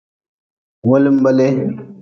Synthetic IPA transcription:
wo˦li˦m˦bɐ˦le˦

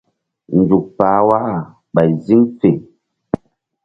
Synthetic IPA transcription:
n̩˨d͡ʒu˨k̚paː˨˦wa˦ʔ | ɓa˨zi˦ŋfe˨

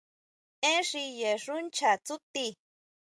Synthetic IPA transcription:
ẽ˦ʂi˧je˨ʂu˦nt͡ʃa˨t͡su˦t̪i˦

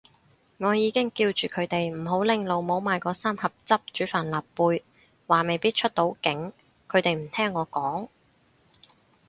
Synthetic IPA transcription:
ŋɔː˨˧jiː˨˧kɪ˥ŋkiː˧wt͡ʃyː˨kʰɵ˨˧ɥt̪e˨jm̩˨˩ɦo˨˥wlɪ˨˧ŋlo˨˧wmo˨˥wmaː˨jkɔː˧saː˥mhɐ˨p̚t͡sɐ˥p̚t͡ʃyː˨˥faː˨˩nlaː˨˩pːuː˧j | waː˨me˨jpiː˥t̚t͡ʃʰɵ˥t̚t̪o˨˥wkɪ˨˥ŋ | kʰɵ˨˧ɥt̪e˨jm̩˨˩t̪ʰɛː˥ŋːɔː˨˧kɔː˨˥ŋ

